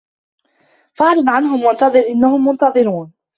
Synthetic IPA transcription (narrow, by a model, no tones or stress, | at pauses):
fɑʕɾɑðˤʕanɦʊmwant̪ɑðˤɨɾʔɪnːahʊmːʊnt̪ɑðˤɨɾuːn